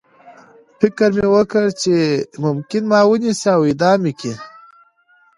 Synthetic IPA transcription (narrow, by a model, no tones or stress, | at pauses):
fɪkəɾmewəkəɽt͡ʃemʊmkɪnmɑːwəniseawid̪ɑːmiki